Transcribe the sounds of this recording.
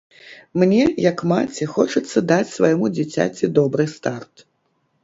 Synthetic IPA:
mnʲɛjɐkmat͡sʲɛxɔt͡ʂɐt̪sːɐd̪at͡sʲsvajmud͡zʲat͡sʲa̰t͡sʲid̪ɔbɾɨst̪art̪

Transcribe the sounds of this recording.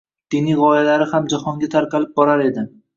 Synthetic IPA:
d̪̥inijʁɒjalaɾɪhamd͡ʒahɒŋɡʲat̪ʰaɾqɑlɪp̚bɒɾaɾe̞d̪ɪ

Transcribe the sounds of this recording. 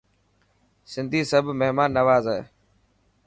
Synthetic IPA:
sɪ̃nd̪ʱiːsəbʱmeɦmaːnːəʋaːzɛeː

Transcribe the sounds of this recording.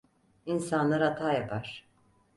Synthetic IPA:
insanlˠaɾat̪ʰaːjapʰaɾ̥

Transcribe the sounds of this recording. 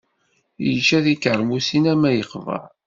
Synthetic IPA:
jət͡ʃːæðikːʕɾˤmusinæmæjəqːvə̰ʕ

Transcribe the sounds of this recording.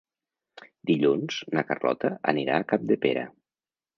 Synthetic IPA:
d̪iʎunz̥nəkərlɔ̰t̪əəniɾaːkap̚d̪epeɾə̰

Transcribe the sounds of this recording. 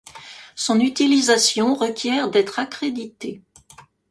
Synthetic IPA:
sɔ̃nyt̪ilizasjɔ̃ʁəkʲjɛʁd̪ɛt̪χakχed̪it̪e

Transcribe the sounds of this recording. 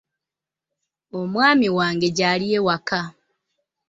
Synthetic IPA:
omwaːmiwaːŋɡe̞ɟaːliewaka

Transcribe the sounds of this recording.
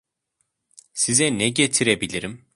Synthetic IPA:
sizɛnɛɟet̪ʰiɾebilʲiɾim

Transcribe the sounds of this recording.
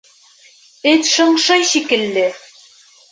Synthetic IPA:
ɘt̪ʃɤ̆ɴʃɤjɕikɘ̆lːɘ

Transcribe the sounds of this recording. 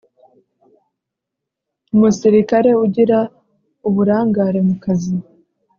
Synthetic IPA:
umusiɾikaɾe̞uɟiɾa | uβuɾaːŋɡaːɾe̞mukazi

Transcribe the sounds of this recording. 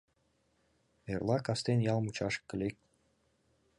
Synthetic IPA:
erlˠɑkɑst̪enjɑlˠmut͡ɕɑʃkːɘ̆lʲek̚

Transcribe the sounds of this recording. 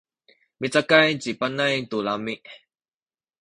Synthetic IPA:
mit͡sakajt͡sipanajt̪ulamiʔ

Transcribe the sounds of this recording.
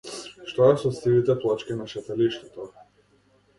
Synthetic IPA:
ʃt̪ɔɛsɔsilit̪ɛplˠat͡ʃkʲinaʃɛt̪ɛliʃt̪ɛt̪ɔ

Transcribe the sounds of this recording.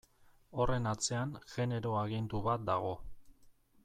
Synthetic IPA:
o̞re̞nat͡se̞anʝe̞ne̞ɾo̞aɣ̞ind̪uβat̪̚d̪aɣ̞o̞

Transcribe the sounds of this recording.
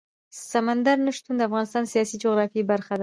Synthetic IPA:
samand̪aɾnəʃt̪und̪əafɣɑnɪst̪ɑnsijɑsid͡ʒoɣɾɑfibaɾxad̪a

